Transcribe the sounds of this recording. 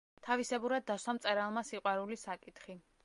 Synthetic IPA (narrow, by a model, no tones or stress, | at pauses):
t̪ʰavisɛbuɾad̪ːaswamt̪sʼɛɾalˠmasiqʼwaɾulisakʼit̪χi